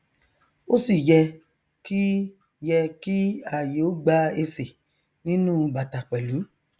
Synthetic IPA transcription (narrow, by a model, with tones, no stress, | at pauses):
o˦si˦˨jɛ˧ | ki˦ | jɛ˧ki˦a˨je˨o˦ɡ͡ba˧e˧se˨ | nĩ˦nũ˦˧ɡ͡ba˨ta˨k͡pɛ˨lu˨˦